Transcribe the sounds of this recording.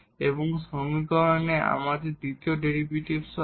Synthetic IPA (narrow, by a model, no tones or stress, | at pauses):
eboŋsomikɔɾoneʔa̰mad̪eɾd̪it̪ioɖeɾibuʈibs